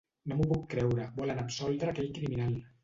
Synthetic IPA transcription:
nomupukːɾɛwɾəbɔlənəpsɔlˠd̪ɾəːkɛʎkɾiminalˠ

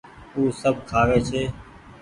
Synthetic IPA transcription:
uːsəb̚ʱkʰaːʋeːt͡ʃʰeː

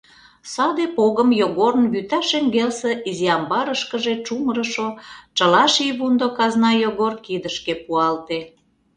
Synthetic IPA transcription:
sɑd̪epoɣəmjoɣoɾnβyt̪æʃeŋɡelseʔiziɑmbɑɾəʃkəʒet͡ʃumɾəʃot͡ʃəlɑʃiβund̪okɑznɑjoɣorkid̪əʃkepuɑlt̪e

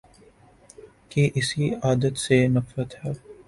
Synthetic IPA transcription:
keʔɪsiaːd̪ət̪senɐfɾət̪hɛː

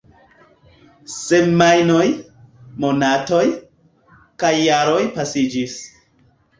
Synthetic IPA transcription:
semmajno̞j | mo̞nato̞j | kajːaɾo̞jpasid͡ʒis

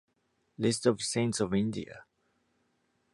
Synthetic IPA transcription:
lɪstɔv̥sẽɪ̃ntsɔvɪ̃ndḭə̰

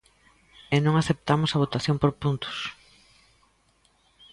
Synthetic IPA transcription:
enõŋaθep̚t̪amʊsɐβ̞ot̪aθjõmpoɾpunt̪ʊ̥s

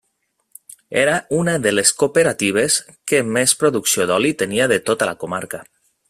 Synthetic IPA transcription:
eɾaunəðeleskopeɾat̪iβ̞eskemespɾoðuksioðɔlit̪eniaðet̪ot̪alakomaɾka

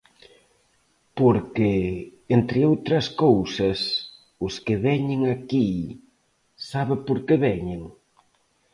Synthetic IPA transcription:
poɾkɪent̪ɾɪowt̪ɾɐskowsɐs | ʊskɪβɛɲɪŋaki | saβɪpoɾkeβɛɲɪŋ

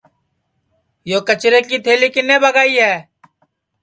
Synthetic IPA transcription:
joːkət͡ʃɾeːkiːt̪ʰeːliːkɪnːeːbəɡaːiːɦɛː

